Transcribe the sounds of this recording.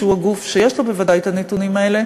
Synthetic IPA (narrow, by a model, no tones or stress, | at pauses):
uaɡufʃejeʃlobevad̪ajt̪anet̪unimaele